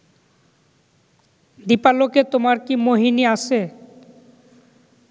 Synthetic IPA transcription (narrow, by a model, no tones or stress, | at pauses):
d̪ipaloket̪omaɾkimoɦiniasʰe